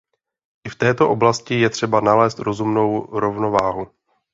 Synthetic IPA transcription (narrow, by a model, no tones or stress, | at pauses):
ʔɪft̪ɛːt̪o̞ʔo̞blascɪjɛt̪r̝̥ɛbanalɛːst̪ɾo̞zumno̞wɾo̞vno̞vaːɦu